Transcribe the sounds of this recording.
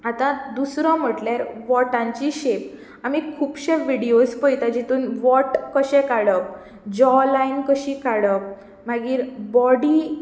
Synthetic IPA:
at̪ãd̪usɾɔ̃m̤əʈljaɾʋɔʈãɲt͡ɕiɕep | amikʰuːpɕeʋiɽiospəjt̪ad͡ʑit̪uːnʋɔʈkəɕɛ̃kaɽək̚ | d͡ʑɔlainkəɕikaɽək̚ | maɡiːɾbɔɽi

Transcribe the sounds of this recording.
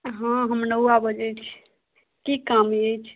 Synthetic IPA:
ɦãɦəmnəabəd͡ʒɛt͡ʃʰ | kikamjejt͡ʃʰ

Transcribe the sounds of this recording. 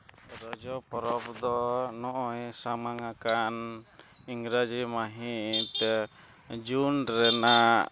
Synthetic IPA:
ɾɔd͡ʒɔpɔɾɔbd̪ɔnɔʔɔjsamaŋakan | iŋɾad͡ʒimaɦit̪ɛ | d͡ʒunɾɛna

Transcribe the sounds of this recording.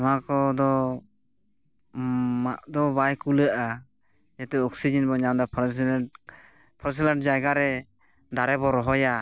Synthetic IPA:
makɔd̪ɔ | maʔd̪ɔbajkuləʔa | jɛt̪ɛɔksid͡ʒɛnbɔɲamd̪ɔpʰ | pʰɔɾs̬ilaɳʈ̚d͡ʒajɡaɾɛ | d̪aɾɛbɔɾɔɦɔja

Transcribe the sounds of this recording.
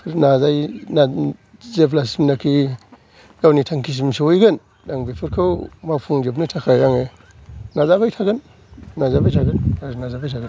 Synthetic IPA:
ɾnazajnazepʰlasimnakʰi | ɡawnitʰaŋkʰis̬imseojɡɯn | daŋbepʰɯɾkʰawmapʰuŋd͡ʒepnɯtʰakʰajaŋe | nazabajtʰaɡɯn | nazabajtʰaɡɯnaɾnazabajtʰaɡən

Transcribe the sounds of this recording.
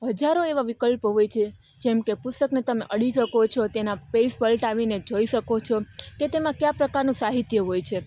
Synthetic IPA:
ɦəd͡ʒaɾoeʋaʋikəlpəɦojt͡ʃʰe | d͡ʒɛmkepʊst̪əknet̪əmeʔəɽiʃəkot͡ʃʰɔt̪enapesbəlʈaʋined͡ʒoiʃəkot͡ʃʰɔket̪emãkjapɾəkaɾnũsaɦit̪jəɦojt͡ʃʰe

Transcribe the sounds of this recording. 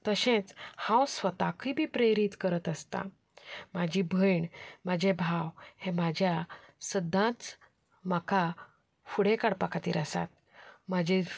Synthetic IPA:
t̪əɕẽt͡shãwsʋət̪akʰibʱiːpɾeɾit̪kəɾət̪əst̪a̰ | mad͡ʑʱibʱəjɳmad͡ʑʱebʱawhemad͡ʑʱjasəd̪ʱːãt̪ | makʰa | fuɽekaɽpakʰat̪ḭːɾəsa̰t̪̚ | mad͡ʑʱi

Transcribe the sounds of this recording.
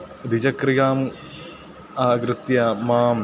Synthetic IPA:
d̪ʱid͡ʑɐkrijaːm | aːɡɾɨt̪jɐmaːm

